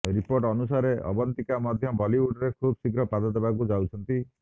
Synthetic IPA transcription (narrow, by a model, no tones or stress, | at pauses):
ɾipoɾʈɔnusaɾeɔ̰bɔnt̪ikamɔd̪ʱjɔbɔliuɖɾekʰubsiɡɾɔpad̪ɔd̪ebakud͡ʒawt͡ʃʰɔnt̪i